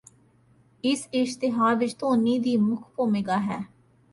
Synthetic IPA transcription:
ɪsɪʃt̪ɪɦaːʋɪt͡ʃt̪õːnːiːd̪iːmʊkʰpoːmeːɡaːɦɛː

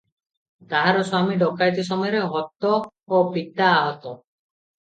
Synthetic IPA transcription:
t̪aɦaɾɔswamiɖɔkajt̪is̬ɔmɔjɔɾeɦɔt̪ːɔː | pit̪ːaːɦɔt̪ɔ

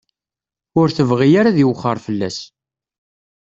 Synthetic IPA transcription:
ʊɾθəvʁijaɾaðiwχːəɾˤfəlːæ̰s

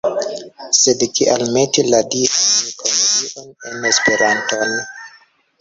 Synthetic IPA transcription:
sedkiʔalme̞tiladianikʰoloɡiʔonenespe̞ɾanto̞n

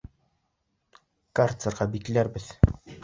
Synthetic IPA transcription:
kart̪sɤ̆rʁɑbiklæɾbɘð

